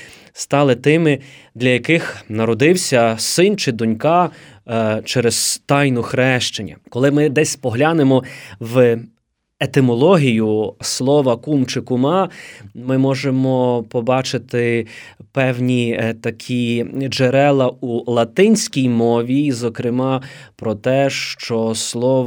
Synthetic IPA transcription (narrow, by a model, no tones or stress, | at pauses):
st̪ɑlˠɪt̪ɪmɪd̪lʲɐjɐkɪxnɐɾɔd̪ɪwsʲɐsɪnt͡ʃɪd̪ɔnʲkɑ | t͡ʃɛɾezt̪ɑjnʊxɾɛʃt͡ʃenʲːɐ̰kɔlˠɪmɪd̪ɛsʲpɔɦlʲanemɔw | et̪ɪmɔlˠɔɦʲijʊslˠɔʋɐkumt͡ʃɪkʊmɑmɪmɔʒemɔpɔbɑt͡ʃɪt̪ɪpɛwnʲit̪ɐkʲʰid͡ʒeɾɛlˠɐulˠɐt̪ɪnʲsʲkʲijmɔʋʲizɔkɾɪmɑpɾɔt̪ɛʃt͡ʃɔslˠɔʋ